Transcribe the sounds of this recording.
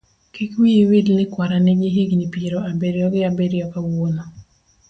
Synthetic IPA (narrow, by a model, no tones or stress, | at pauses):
kikwiwidlɪkwaɾanɛɡɪɦiɡnipiɾoabeɾjɔɡɪabeɾjɔkawonɔ